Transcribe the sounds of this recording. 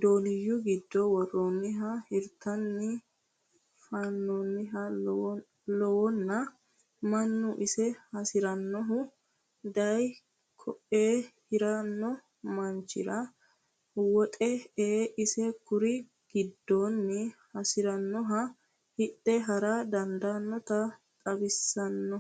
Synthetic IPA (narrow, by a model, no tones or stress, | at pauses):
d̪o̞ːlɪjːʊɡɪd̪ːɔwɔroːnːɪɦɐhɪɾt̪ːɐnːɪ | fɐnːoːnːɪɦɐ | lɔwɔnːɐ | mɐnːʊʔɪsɛhɐsɪɾɐnːɔɦʊ | d̪ɐj | kʰɔʔeːhɪɾɐnːɔ | mɐnt͡ʃːɪ̰ɾɐ | wɔt̪ʼɛeːʔɪsɛkʊɾɪ | ɡ̥ɪd̪ːoːnːɪhɐsɪɾɐnːɔɦɐ | hɪtːɛɦɐɾad̪ɐnd̪anːɔt̪ɐt̪ʼɐbɪsːɐnːɔ